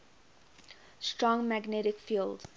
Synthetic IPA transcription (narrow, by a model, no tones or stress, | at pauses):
stɹɔ̃ŋmæɡnɛɾɪkfiːlˠd